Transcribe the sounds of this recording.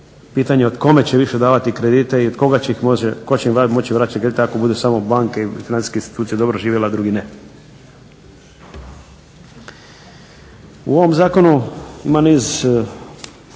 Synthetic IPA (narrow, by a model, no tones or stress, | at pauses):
piːt̪aɲeod̪ko̞me̞t͡ɕeʋiʃed̪aːʋat̪ikɾed̪it̪eiod̪ko̞ɡat͡ɕeixmoekot͡ɕeiamo̞t͡ɕiʋɾaːt̪t͡ɕt͡ʃakɾed̪it̪akobud̪usamo̞baŋkeifinansi̥skeinst̪i̥t̪uːsijed̪o̞bɾoʒiːʋjelad̪ɾuɡine | uo̞ʋo̞mzaːko̞nuimaniːz